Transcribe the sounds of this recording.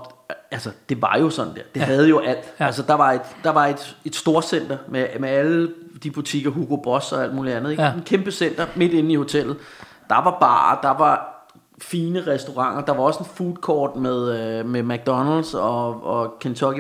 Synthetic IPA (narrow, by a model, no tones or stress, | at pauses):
ælsəd̥e̝ʋɑ̈jo̝sɒ̽n̥̩d̥eɐ̰d̥e̝ɦæð̞ˠjo̝ʔæl̰d̥æls̬əd̥ɑ̈ʋɑ̈e̝d̥d̥ɑ̈ʋɑ̈e̝d̥e̝d̥sd̥o̝ɐsen̰d̥ɐmemeæləd̥ib̥ut͡sʰiɡ̥ɐɦuɡ̥o̝b̥ʁɒ̽sɒ̽æl̰d̥muːliænðˠeɡenkʰemb̥əsen̰d̥ɐme̝d̥e̝n̩iho̝t͡sʰel̰ð̩ˠ | d̥ɑ̈ʋɑ̈b̥ɑ̰̈ːd̥ɑ̈ʋɑ̈ | fiːnəʁɛsd̥o̝ʁɑ̈ŋ̰ɐd̥ɑ̈ʋɑ̈ɒ̽se̝nfuːð̥ˠkʰɒ̰ːd̥með̞ˠømemæɡ̥̚d̥ɒnældsɒ̽ɒ̽kʰent͡sʰɒ̽ɡ̥